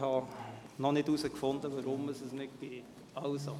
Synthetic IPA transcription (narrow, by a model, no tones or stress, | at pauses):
hɑnɔnɪtusəkfʊnd̪əʋɑɾʊməsəsnɪt̚ɡ̥eːt | ɑwso